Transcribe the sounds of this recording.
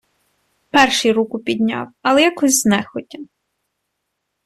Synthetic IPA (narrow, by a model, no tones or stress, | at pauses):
pɛrʃijɾukʊpʲid̪ʲnʲɑ̰wɐlˠɛjakɔzʲznɛxɔtʲɐ